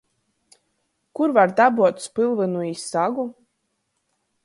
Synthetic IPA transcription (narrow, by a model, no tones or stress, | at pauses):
kuɾvaɾd̪abuɔt̪spɨlˠvɨnuisːaɡu